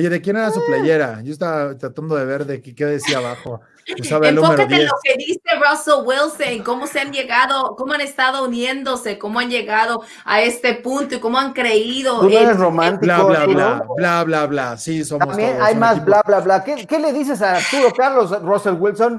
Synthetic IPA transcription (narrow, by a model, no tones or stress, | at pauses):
oʝeðek̬jeneɾas̬uplaʝeɾaʝoest̪aβat̪ɾat̪and̪oðeβeɾðekekeðesiaβaxo | usaβaðeelnuomeɾoðjelokeðiserosowilseniko̞moseanʝe̞ɣaðoko̞moanest̪aðo̞unje̞nd̪o̞se̞ko̞moanʝe̞ɣaðo̞ | ae̞st̪epunt̪oiko̞moaŋkɾe̞iðo̞uoeɾesromãnt̪ilaaulablaβlaβlasisot̪mombjenajmasblablaβlakekele̞ðis̬es̬at̪uokaɾlosroselwilson